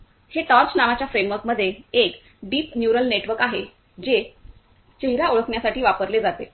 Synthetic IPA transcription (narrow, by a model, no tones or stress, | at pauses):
heʈəɾt͡ɕnaʋat͡ɕjafɾemʋəɾkməd̪ʱːjeek | ɖiːpnjuɾəlneʈʋəɾkaɦe | d͡ʑe | t͡ɕeɦɾaoɭəkɳjasaʈʰiːʋapəɾled͡zat̪e